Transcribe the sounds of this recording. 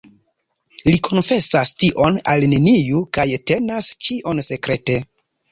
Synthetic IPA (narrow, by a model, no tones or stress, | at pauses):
likʰo̞nfe̞sastiʔo̞nalne̞nijukajte̞nast͡ʃiʔo̞nse̞kɾe̞te̞